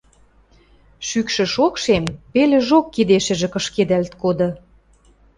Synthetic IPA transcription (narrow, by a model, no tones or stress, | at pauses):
ʃykʃə̆ʃokʃempelĕʒokːid̪eʃɘ̆ʒĕkɤ̆ʃked̪ælt̪kod̪ɤ̆